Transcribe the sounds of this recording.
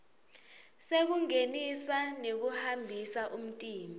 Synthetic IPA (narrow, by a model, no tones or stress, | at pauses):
sek̬uŋenisanek̬uhambʱisaʔum̩tʼiːmʱ